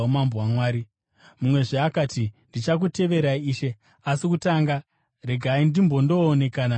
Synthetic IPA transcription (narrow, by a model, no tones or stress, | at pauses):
omambowamwaːɾi | mumwe̞ʐeakaːtindit͡ʃak̬ute̞ʋe̞ɾaiiːʃe̞ | asikutaŋɡa | re̞ɡʱaindimbo̞ndo̞ːne̞kaːna